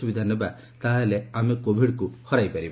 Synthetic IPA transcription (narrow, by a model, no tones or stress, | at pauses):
ubid̪ʱaneba | t̪aɦeleamekobʱiɽkuhɔɾajpaɾib